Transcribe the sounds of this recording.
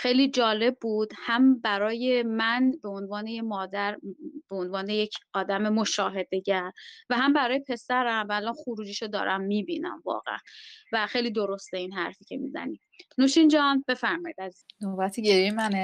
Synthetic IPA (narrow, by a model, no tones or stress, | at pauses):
xe̞jliːd͡ʒɒːle̞b̚ːuːd̪̥hæmbæɾɒːje̞mænbeonvɒːnejemɒːd̪æɾb̥eonvɒːne̞jecʰɒːd̪æme̞moʃɒːɦe̞d̪e̞ɟæɾvæɦæmbæɾɒːjepʰe̞sæɾæmvæːlɒːnxuɾuːd͡ʒiːʃod̪ɒ̰ːɾʔæmːiːbiːnæ̰mvɒ̰ːɣḛʔæ̰nvæxe̞jliːd̪o̞ɾo̞st̪einɦæɾfiːcʰe̞mḭːzæ̰ni | nuːʃind͡ʒɒnbe̞fæɾmɒːjiːd̪æzinobæt̪ʰiɟeɾimæne